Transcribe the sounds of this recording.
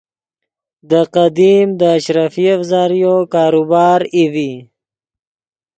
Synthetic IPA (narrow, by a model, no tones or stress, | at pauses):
d̪əqad̪imd̪əːʃɾafiafzɑːɾijokɑːɾubɑːɾivi